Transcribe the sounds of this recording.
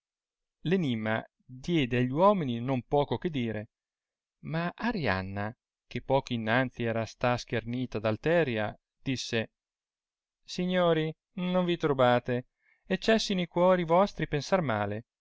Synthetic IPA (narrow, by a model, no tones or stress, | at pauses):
lenimːa̰ | d̪jɛːd̪eaʎːwɔːmininompɔːkoked̪iːɾe | maʔaɾja̰nːa | k̟epːɔːkoinːant̪siɛːɾast̪ask̟erniːt̪ad̪alt̪ɛːɾja̰ | d̪̥isːe | siɲːoːɾi | noɱvit̪ɾobaːt̪e | et͡ʃːɛsːinoikwɔːɾivɔst̪ɾipensarmaːle